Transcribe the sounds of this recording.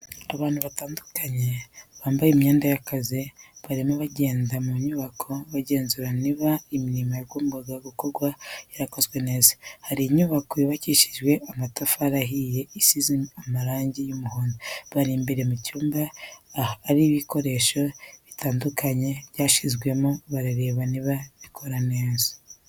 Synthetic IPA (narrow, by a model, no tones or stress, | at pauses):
aβaːn̥huβataːndukaɲe̞βaːmbajimɲeːndajakaziβaɾimoβaɟe̞ːndamuɲuːβakʰo̞βaɟe̞ːnzuɾaniβaimiɾimojaɡomubaɡaɡuko̞ɾɡwajaɾako̞zɡwe̞ne̞ːzahaɾiːɲuːβakojiβaciʃiʒɡwe̞ʔamatafaɾaɦije̞isiziamaɾaːɲɟijumuhoːndoβaɾimbeɾe̞mucuːmbaː | ɾiβiko̞ɾe̞ʃo̞βitʰaːndukʰaɲe̞βɟaːʃizɡwe̞moβaɾaɾe̞βaniβaβikʰo̞ɾane̞ːzḁ